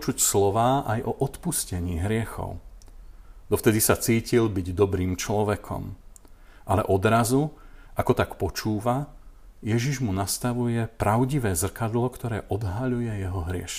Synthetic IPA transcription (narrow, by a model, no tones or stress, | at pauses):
t͡ʃucslɔʋaːʔajʔɔʔɔt̪puscɛɲiːɦɾɪɛxɔ̰ʊ | d̪ɔft̪ɛd̪isat͡siːcilbiɟd̪ɔbɾiːmt͡ʃlɔʋɛkʰɔ̰m | ʔalɛ̰ʔɔd̪ɾazuʔakɔt̪akpɔt͡ʃuːʋajɛʒiʒmunast̪aʋujɛpɾaʊɟiʋɛːzr̩kad̪lɔkt̪ɔɾɛːʔɔd̪ɦaʎujɛjɛɦɔɦɾɪɛ̰ʃ